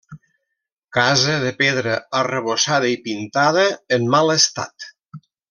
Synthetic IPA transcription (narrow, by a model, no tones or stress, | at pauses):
kazəðəpeðɾəərəβ̞osað̞əipint̪aðəːmmaləst̪a̰t̪